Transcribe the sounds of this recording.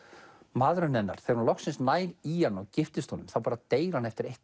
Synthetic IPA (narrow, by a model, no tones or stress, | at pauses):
maːðɾʏnːɛnːa̰ɾ̥θejɾhunlɔxsɪnsnaːjɾianːɔɣcɪft̪ɪst̪oːnʏmθawpaːɾat̪eːjɾanɛft̪ɪɾejht̪